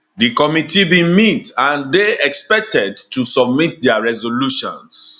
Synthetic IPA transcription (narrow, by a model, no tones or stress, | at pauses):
dikɔmitibĩmitãndeɛkspɛk̚tɛdtusɔb̚mit̚dɛaɹɛzoluʃɔ̰̃ns